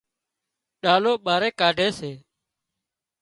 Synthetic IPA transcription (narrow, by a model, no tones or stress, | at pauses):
ɗaːloːɓaːɾeːkaːɖʱeːseː